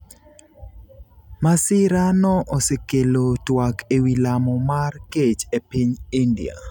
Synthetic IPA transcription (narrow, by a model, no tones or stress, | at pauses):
masɪɾanɔʔɔsekelotwakewilamɔmarket͡ʃepiɲindḭa̰